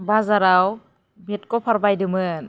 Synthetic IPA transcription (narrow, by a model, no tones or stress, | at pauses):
bazaɾaw | bit̚kɔpʰaɾbajdɯmɯn